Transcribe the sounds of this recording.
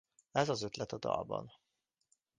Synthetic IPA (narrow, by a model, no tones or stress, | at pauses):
ɛzɒzøt̪lɛt̪ɒd̪ɒ̰lbɒ̰n